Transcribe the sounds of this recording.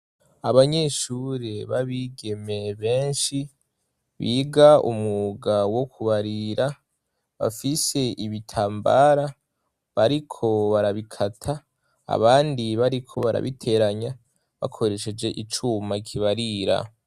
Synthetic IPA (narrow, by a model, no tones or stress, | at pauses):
aβaɲe̞ʃuɾeβaβiːɡe̞me̞βe̞ːnʃi | βiːɡaṵmuɡawo̞kʰuβaɾiɾa | βa̰fise̞ʔiβitʰaːmba̰ɾa | βaɾikʰo̞βaɾaβikʰatʰa̰ː | βaːndiβaɾikʰo̞βaɾa̰βitʰe̞ɾaɲa | βa̰kʰo̞ɾe̞ʃe̞d͡ʒe̞ʔit͡ʃumakʰiβaɾiɾa̰